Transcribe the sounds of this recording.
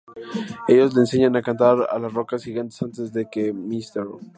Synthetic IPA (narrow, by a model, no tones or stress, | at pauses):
e̞ʝo̞zle̞ːnse̞ɲanakant̪aɾa̰lasro̞kasxiɣant̪e̞sant̪e̞zðe̞ke̞mist̪eɾ